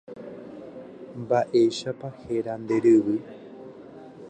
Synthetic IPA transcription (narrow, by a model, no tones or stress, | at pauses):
mbaʔeʃapaheɾand̪eɾɨβɨ